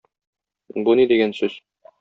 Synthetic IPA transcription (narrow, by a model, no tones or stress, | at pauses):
bunid̪iɡænsʉz̥